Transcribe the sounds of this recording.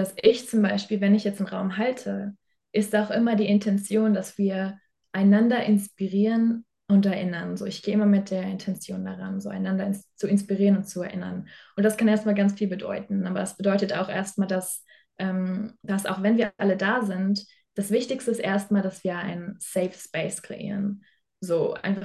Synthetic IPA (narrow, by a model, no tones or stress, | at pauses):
d̥asʔɪçt͡sʊmbaɪʃpiːlvɛnɪçjɛt͡stɪnʁaʊmɦaltʰə | ʔɪstaʊxʔɪmɐdiːɪntʰɛnt͡sjoːndasv̥iːɐ | ʔaɪnandɐʔɪnspiʁiːʁən | ʊntɛɐʔɪnɐnzo̰ːɪçɡ̥eːʔɪmɐmɪt̚d̥eːɐɪntʰɛnt͡sjoːndaʁa̰nzoːa̰ɪnːandɐɪst͡suɪnspiʁiːʁənʊntt͡suɛɐʔɪnɐ̰nʔʊnt̚d̥askaneːɐstmaːlɡant͡sfiːlbədɔ̰ʏtn̩ʔaːbɐdasb̥ədɔʏtəta̰ʊxʔeːɐst̚maːldas | ʔɛːmd̥asʔa̰ʊxv̥ɛnviːɐʔalədaːzɪnt | d̥asv̥ɪçtɪçstəɪstʔeːɐstmaːldasv̥iːɐa̰ɪnnsɛfspɛɪskʁ̥ḛʔḭːʁən | zoːʔa̰ɪnfa